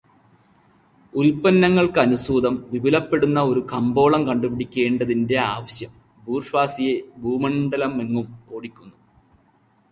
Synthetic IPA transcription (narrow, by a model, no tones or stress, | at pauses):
ulpɐnːɐŋːɐɭkɨɐnusuːd̪ɐmʋibilɐpːe̞ɽunːɐo̞ɾukɐmbo̞ːɭɐmkɐɳɖupiɽikʲːe̞ːɳɖɐðinde̞aːʋɐɕjɐm | bʱuːrʂʋaːsijebʱuːmɐɳɖɐlɐmːeŋːumo̞ːɽikʲːunːu